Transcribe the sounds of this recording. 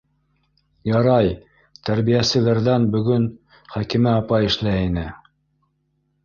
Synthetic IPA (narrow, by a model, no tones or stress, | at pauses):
jɑɾɑj | t̪æɾβijæsɘ̆læɾðænbɵ̆ɡɵn | χækimɘɑpɑjɘ̆ʃlæinɘ